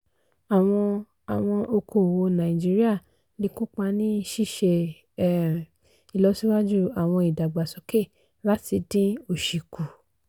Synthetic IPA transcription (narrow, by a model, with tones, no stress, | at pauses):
a˨w̃ɔ̃˧ | a˨w̃ɔ̃˧ʔo˧kʰo˨wo˧nã˨ĩ˨d͡ʒi˦ɾi˦a˦˨ | li˧kũ˦k͡pa˧nĩ˦˧˦ʃi˦˨ʃe˧˦˨ | i˨lɔ˨˦si˦wa˦d͡ʒu˦a˨w̃ɔ̃˧i˨da˨ɡ͡ba˨sɔ˨˦ke˦˨ | la˦ti˧dĩ˦o˨ʃi˨ku˨